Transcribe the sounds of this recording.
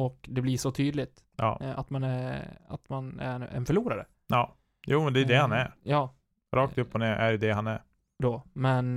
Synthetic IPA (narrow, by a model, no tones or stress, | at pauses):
ɔkd̪ɛbliʂɔt̪ʰyːd̪lɪt̪ | jɑ̰ːat̪manɛa̰t̪manæ̰ɾɛ̰nfœɭuːɾaɾə̰ | jɑː | juːmɛnd̪ɛjd̪ɛhanæɾjɑː | ɾʔɑːk̚t̪ɵpːɔneːɾʔæ̰ɾʉd̪ɛɦanæɾ | d̪ɔmɛn